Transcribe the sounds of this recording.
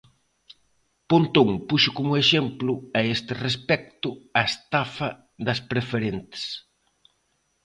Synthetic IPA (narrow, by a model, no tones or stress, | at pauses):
pont̪oŋpuʃʊkomʊeʃemplʊɐest̪ɪrespɛk̚t̪ʊɐest̪afɐ | ðɐspɾefeɾent̪ɪ̥s